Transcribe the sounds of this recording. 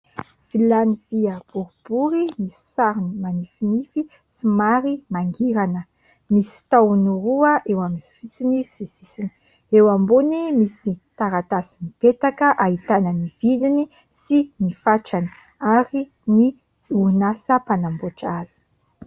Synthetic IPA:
v̥ilaniviəb̥uɾub̥uɾimisi̥saɾinimanifinifi | simaɾimaŋɡiɾanə | misi̥t̪awnuɾuəʔewamisi̥fisinisisisini | ewambonimisit̪aɾat̪asimipet̪akəʔaɦit̪anənivilini | sinifaʈ͡ʂani̥ | aɾi | ni | unasəpanamboʈ͡ʂazi̥

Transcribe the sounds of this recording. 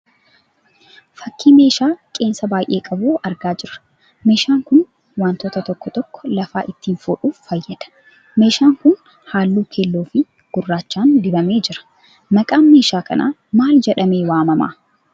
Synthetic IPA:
fɐkʰːiːme̞ːʃaːkʼe̞ːnsɐbaːjʔe̞̰ːkʼɐbuːɐɾɡaːd͡ʒɪɾɐ̥ | me̞ːʃaːŋkʊn | waːnt̪oːt̪ɐt̪ɔkːɔt̪ɔkːɔ̥lɐfaːʔɪt̪ːiːnfoːᶑuːfːɐjːɐd̪̥ɐ̥ | me̞ːʃaːŋkʊn | haːlːuːkʰeːlːoːfɪ | ɡ̥ʊrːaːt͡ʃːaːnd̪ɪbɐme̞ːd͡ʒɪɾɐ̥ | mɐkʼaːnme̞ːʃaːkɐ̰nʔa̰ː | maːld͡ʒɛᶑɐmeːwaːmɐma̰ː

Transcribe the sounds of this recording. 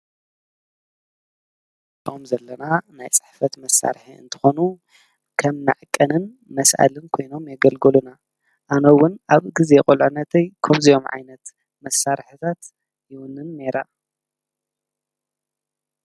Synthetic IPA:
omzɐlːɐnanajt͡sʼɨ̥ħfɐt̪mɐsːa̰ɾħiɨ̰nt̪ʰɨ̥xo̞nu | kʰɐmna̰ʕkʼːɐnɨn | mɐsʔa̰lɨnkʰo̞jno̞mjɛɡɐlɡɨluna | ʔanɐwʊnʔaβɡize̞kʼolʕunɐt̪ʰɐjkʰɐmzijo̞mʕa̰jnɐt̪ | mɐsːaɾħit̪ʰat̪ | jɪwʊnɨnneɾa

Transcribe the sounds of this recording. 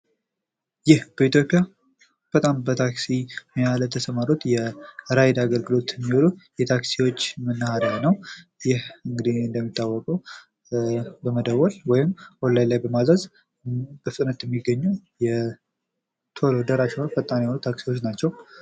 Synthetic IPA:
jɪhb̥əit̪jo̞pʼja | b̥ət̪ʼambət̪ʰaksiməjalət̪ʰəsəmaɾot̪jɛɾajd̪aɡəlɡɨlo̞t̪ɛmːiwolujɛt̪ʰaksiwot͡ʃːmənːahaɾjanəwjɪhɨŋɡɨd̪iɨnd̪əmːit̪ʼːawːɔkʼəw | bəməd̪əwːɔlwɔjɪmwolːajlajbəmazɾəz | b̥əfɨt̪ʼnət̪jɛmːiɡːəɲːujɛ | t̪ʰo̞lod̪əɾaʃwnfət̪ʼːanihonut̪ʰaksiwot͡ʃːnat͡ʃːɛw

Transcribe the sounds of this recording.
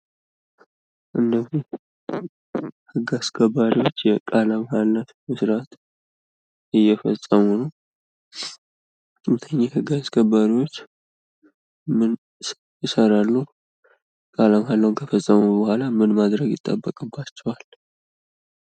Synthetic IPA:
ʔɨnːəzi | hɨɡːaskʰəbːaɾiwo̞t͡ʃːjɛkʼalamhalːat̪mɨsɾat̪ | ɪjːɛfəsʼəmunəw | mt̪ʰəɲːahɨɡaskʰəbaɾiwo̞t͡ʃː | mɨn | jɪsəɾalːu | kʼalamɦalːawnkʰəfəsʼːəmubəhalamɨnmad̪ɾəɡjɪt̪ʼːa̰bːəkʼɨbːat͡ʃːɛwal

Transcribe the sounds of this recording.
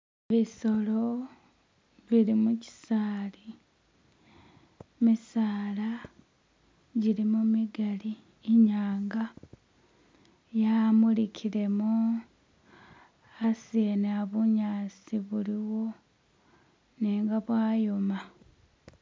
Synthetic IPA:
βiso̞lo | βiɾimuci̥saːli | misaːla | ɟiɾimumiɡaliː | ɲaːŋɡa | jamulicʰiɾe̞mo | aseneaβuɲaːsiβuliwo̞ | niːŋɡaβwaːjoma

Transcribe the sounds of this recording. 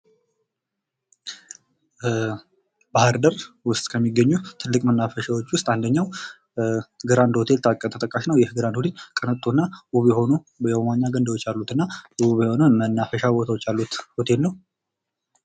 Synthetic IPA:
bahɨɾd̪əɾ | wʊst̪ʼkʰəmːiɡːəɲːut̪ʰɨlːɨkʼmənːafəʃawot͡ʃːwʊst̪ʼand̪əɲːaw | ɡɨɾand̪hot̪ʰe̞lt̪ʰakʼːət̪ʰət̪ʼəkʼːaʃnəwjɛhɨɡɨɾand̪ud̪ɨɲkʼənət̪ʼːonːaʔuβjɛho̞nu | bjɛwomaɲːaɡənd̪əwot͡ʃːjalːut̪ɨnːaʔuβjɛho̞nomənːafəʃabot̪ʰəwɔt͡ʃːalːut̪hot̪ʰe̞lnəw

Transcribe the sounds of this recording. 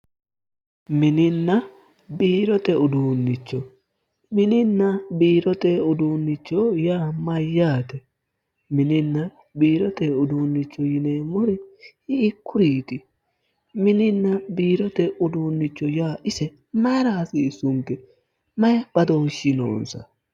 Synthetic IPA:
mɪnɪnːɐ | biːɾɔt̪ɛʊd̪uːnːɪt͡ʃːɔ | mɪnɪnːɐbiːɾɔt̪ɛʊd̪uːnːɪt͡ʃːɔjaːmɐjːaːt̪ɛ | mɪnɪnːɐ | biːɾɔt̪ɛʊd̪uːnːɪt͡ʃːɔjɪneːmɔɾɛhɪːkːʊɾiːt̪ɪ | mɪnɪnːɐbiːɾɔt̪ɛʔʊd̪uːnːɪt͡ʃːɔjaːɪsɛ | maːɾaːsɪːsːʊŋkɛ | mɐjb̥ɐd̪oːnʃɪno̰ːnsɐ̰

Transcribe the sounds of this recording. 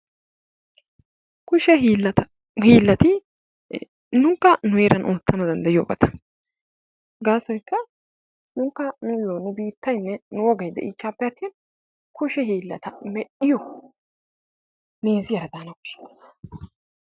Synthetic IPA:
kʊʃɛɦlːɐt̪ɐ | hiːlːɐt̪ɪ | nʊŋkːɐnʊjeːɾɐnʔoːt̪ːɐnɐd̪ɐnd̪ɐjoːɡɐ̰t̪ʰɐ̥ | ɡaːsɔjkːɐ | nʊŋkːɐnʊjoːnːʊbiːt̪ːɐjnːɛnʊwɔɡɐjd̪ɛ̰ʔit͡ʃːaːpːɛjɐt̪ːin | kʊʃɛɦiːlːɐt̪ɐmɛʔɪjɔ | meːzɪjɐɾɐd̪aːnɐkʊ̥ʃɪ̥t̪ːs

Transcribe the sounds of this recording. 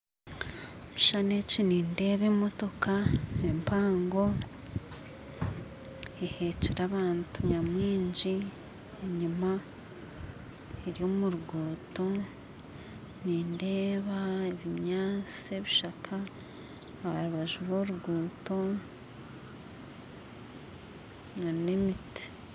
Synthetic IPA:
muʃaneciniːnde̞ːβemo̞to̞kaempʰaːŋɡo̞ | eheceɾaβaːntuɲamwiːɲɟi | eɲuma | eɾjo̞ːmuɾuɡuːto̞ | niːndeːβaeβiɲaːt͡sieβiʃakʰa | βaɾuβaʒuβoɾuɡuːto̞ | nemiti̥

